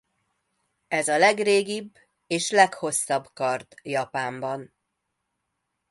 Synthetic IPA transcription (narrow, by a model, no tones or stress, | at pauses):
ɛzɒlɛɡreːɡibː | eːʃlɛkho̞sːɒbkɒrt̪jɒpaːmbɒn